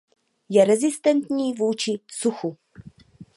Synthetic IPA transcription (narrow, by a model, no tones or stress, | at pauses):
jɛɾɛzɪst̪ɛnt̪ɲiːvuːt͡ʃɪsuxu